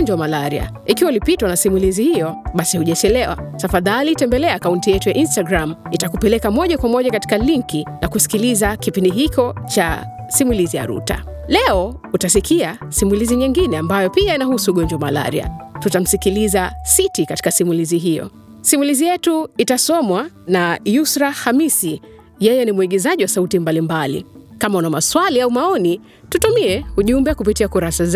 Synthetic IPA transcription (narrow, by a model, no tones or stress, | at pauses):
ɲd͡ʒwamalaɾia̰ | ikiwaulipitwanasimulizihijɔɓasihuʄat͡ʃɛlɛwa̰tafaðalitɛmbɛlɛaːkauntijɛtujaʔinstaɡɾamitakupɛlɛkamɔʄakwamɔʄakati̥kaliŋkinakusi̥kilizakipindiɦit͡ʃɔt͡ʃa | simulizija̰ɾṵta̰ | lɛɔ | utasikia | simuliziɲiŋɡinɛambajɔpiainahusuɠɔɲd͡ʒwamala̰ɾḭa̰tutam̩sikilizasitikati̥kasimuliziɦijɔ̰ | simulizijɛtuitasɔmwa | najusɾahamisi | jɛjɛnimwiɠɛzaʄiwasautimbalimbalḭkamaunamaswaliaumaɔni | tutumiɛuʄumbɛkupitiakuɾasa